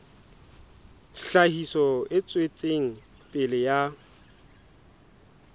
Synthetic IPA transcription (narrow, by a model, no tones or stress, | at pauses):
ɬahisɔɪt͡sʼwet͡sʼeŋ̩ | pʼɪlɪja